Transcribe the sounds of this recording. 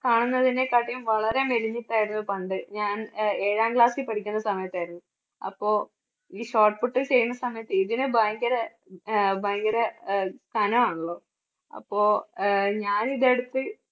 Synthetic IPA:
kaːɳunːɐðine̞kaːʈːijumʋɐɭɐɾe̞meliɲːiʈːaːjiɾunːupɐɳɖɨɲaːne̞ːɻaːmɡɭaːskɨpɐʈʰikʲːunːɐsɐmɐjɐt̪ːaːjiɾunːu | ɐ̰pːo̞ː | iːɕo̞ːʈfuʈːilt͡ɕe̞jːunːɐsɐmɐjɐt̪ːɨiðinɨbɐjŋɡɐɾɐ | bɐjŋɡɐɾekɐnɐmaːɳuɭːo̞ː | ɐ̰pːo̞ːɲaːniðe̞ɽut̪ːɨ

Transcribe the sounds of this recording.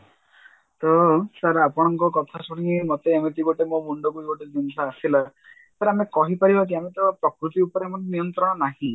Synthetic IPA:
t̪ɔsaɾapɔɽ̃ɔŋkɔkɔt̪ʰasɔɽiŋimot̪eeŋɔt̪iɡoʈemomuɳɖɔkueɡoʈed͡ʒinɔsaːsila | t̪aɾamekɔɦipaɾibak̪̬iamet̪ɔpɾɔkɾut̪iupɔɾemɔneniɔnt̪ɾɔɽ̃ɔnaɦĩ

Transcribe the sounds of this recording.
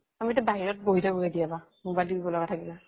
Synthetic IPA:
amiɛtabaɦiɹɔt̚boɦitʰaboedijaba | mobajlibibɔlɔɡatʰakila

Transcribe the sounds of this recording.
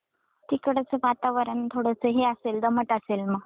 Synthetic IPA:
t̪iːkəɽət͡səʋat̪aʋəɾant̪ʰoɽəsəɦeaseld̪əməʈaselməɡ

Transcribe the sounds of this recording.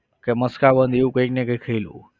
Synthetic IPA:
keməskabənd̪ʱeũkə̃iknekəikʰəilṵ̃

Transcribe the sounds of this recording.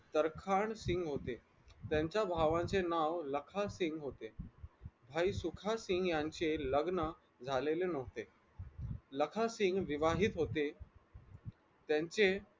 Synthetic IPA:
t̪əɾkʰaɳsĩŋɡɦot̪e | t̪jãɲt͡ɕjabʱaʋãɲt͡senaʋləkʰasiŋɡɦot̪e | bʱaisukʰasiŋɡjãɲt͡ɕeləɡnə | d͡zʱalelenəʋt̪e | ləkʰasĩŋɡʋiʋaɦiːt̪ɦot̪e | t̪jãɲt͡se

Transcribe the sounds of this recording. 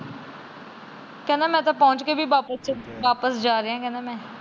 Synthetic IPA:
kɛːnãːmɛ̃ːt̪̬ãːpɔːʊ̃t͡ʃkeːbʱiːʋaːpəst͡ʃəʋaːpəsd͡ʒaːɾeːãːkɛːnaːmɛ̃ː

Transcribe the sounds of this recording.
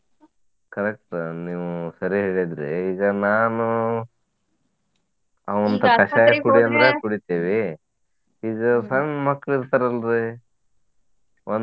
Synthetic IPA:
kɐɾek̚ʈniːʋusɐɾiɦeːɭid̪ɾḛiːɡɐnaːnu | ɐʋɐnt̪ɐkɐʃaːjɐkuɽiɐnd̪ɾekuɽit̪iːʋi | iːɡɐsɐnmɐkːɭiɾt̪aɾɐlɾe | on

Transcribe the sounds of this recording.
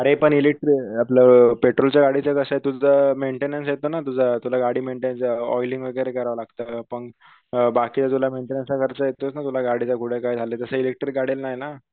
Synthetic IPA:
əɾepəɳilek̚ʈɾiapləpeʈɾolt͡ɕjaɡaɽit͡səkəsajt̪ud͡zʱəmeɳʈenənsjet̪onat̪ud͡zʱat̪ulaɡaɽiːmeɳʈenənsɔ̰jliŋɡʋeɡjɾekəɾaʋalaɡt̪əpəɳ | bakiːt͡sat̪ulameɳʈenənsakəɾt͡səjet̪osnat̪ulaɡaɽit͡sakuʈʰekaid͡zʱaleːt̪əsəilek̚ʈɾik̚ɡaɽilnajna

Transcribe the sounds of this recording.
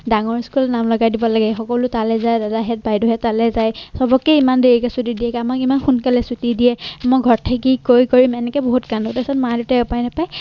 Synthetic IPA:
daŋɔɹskulnamlɔɡajdibɔlaɡɛxɔkɔlʊtalɛzajdadaɦɛt̚bajdɔɦɛtːalɛzajsɔbɔkɛimandeɹikasutidiɛkamakimanxunkalɛsutidijɛmojɡʱɔɹtʰakikojkɔɹimɛnɛkɛboɦutkanɔtasɔtmadutaʊpajnɛpaj

